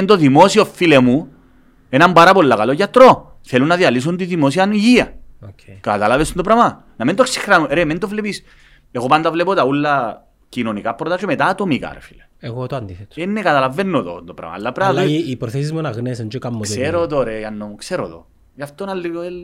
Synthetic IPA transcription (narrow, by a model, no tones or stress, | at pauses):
end̪oðimosiofːilemu | enambaɾapolːakaloʝat̪ɾo | θelunːaðialis̬unt̪iðimosianiʝiɐoeka̰t̪alavesund̪opɾama | nɐmend̪oksi̥xɾanuɾemend̪ovlepis | eɣopand̪ɐvlepot̪aulːɐ | cinonikapːɾot̪asjomet̪at̪omika̰ɾfileeɣot̪oand̪iθet̪enːekat̪alavenːoðo̰nt̪opɾɐ̰ma̰lːapɾaðoipɾoθes̬izmunaɣnes̬ent͡ʃokamːokseɾot̪oɾeanːomukseɾo̰ðo̰ | aft̪onalːiɣoe